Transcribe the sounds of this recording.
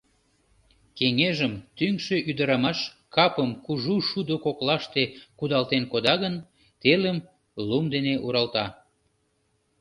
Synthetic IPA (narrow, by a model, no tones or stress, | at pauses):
keŋeʒəmt̪yŋʃeʔyd̪əɾɑmɑʃ | kɑpəmkuʒuʃud̪okoklɑʃt̪ekud̪ɑlt̪enkod̪ɑɣən | t̪eləm | lumd̪eneʔuɾɑlt̪ɑ